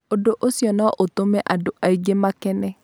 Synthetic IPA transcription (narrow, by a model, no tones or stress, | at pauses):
odoʔosjɔnɔʔotomɛʔadoʔaiɡemakɛnɛ